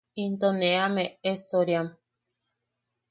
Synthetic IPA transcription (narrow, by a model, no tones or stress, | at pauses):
int̪oneameesoɾjam